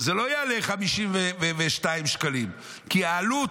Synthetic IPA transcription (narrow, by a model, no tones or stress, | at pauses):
zelo̞ajaleχamiʃimveveveʃtaimʃkalim | kiaːlu